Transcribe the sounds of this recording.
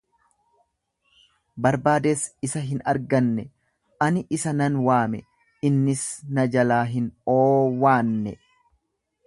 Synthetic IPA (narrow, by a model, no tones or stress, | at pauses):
bɐɾbaːd̪e̞ːsɪsɐɦɪnɐɾɡɐnːɛ | ʔɐnɪʔɪsɐnɐnwaːmɛ | ɪnːɪsnɐd͡ʒɐlaːɦɪnoːwaːnːɛ